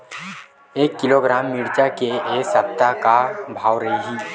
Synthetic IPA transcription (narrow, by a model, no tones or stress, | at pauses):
eːkːɪloːɡɾaːmːɪɽt͡ʃakeeːsɐp̚t̪akabʱaːwɾɐɦiɦiː